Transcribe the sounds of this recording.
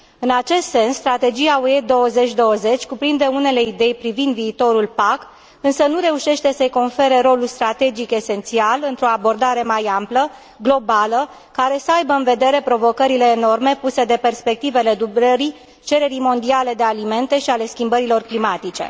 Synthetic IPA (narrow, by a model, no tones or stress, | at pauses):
ɨnat͡ʃe̞st̪se̞nssːt̪ɾat̪e̞d͡ʒiaoed̪o̞wəze̞t͡ʃʲd̪o̞wəze̞t͡ʃʲkupɾind̪e̞une̞le̞id̪e̞jpɾivind̪viːt̪o̞ɾulpak | ɨnsənuɾe̞uʃe̞ʃt̪e̞səjko̞nfe̞ɾe̞ɾo̞lulst̪ɾat̪e̞d͡ʒike̞se̞nt̪sialɨnt̪ɾo̞abo̞rd̪aɾe̞majamplə | ɡlo̞balə | kaɾe̞səajbəɨnve̞d̪e̞ɾe̞pɾo̞vo̞kəɾile̞ːno̞rme̞puse̞d̪e̞pe̞rspe̞k̚t̪ivele̞d̪ubɾəɾi | t͡ʃe̞ɾe̞ɾijmo̞nd̪iale̞d̪e̞alime̞nt̪e̞ʃiale̞skʲimbəɾilo̞rklimat̪it͡ʃe̞̰